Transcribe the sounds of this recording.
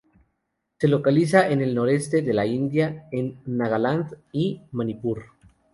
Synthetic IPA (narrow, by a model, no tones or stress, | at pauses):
se̞lo̞kalis̬aʔene̞lno̞ɾe̞st̪e̞ðe̞laind̪jaenːaɣaland̪imanipuɾ